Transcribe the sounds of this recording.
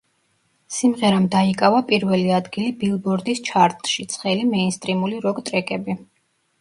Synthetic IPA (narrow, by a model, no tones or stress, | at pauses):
simʁɛɾamd̪aikʼavapʼiɾvɛliad̪ɡilibilˠbɔɾd̪ist͡ʃʰaɾt̪ʼʃit̪sʰχɛlimɛinst̪ʼɾimuliɾɔɡt̪ʼɾɛkʼɛbi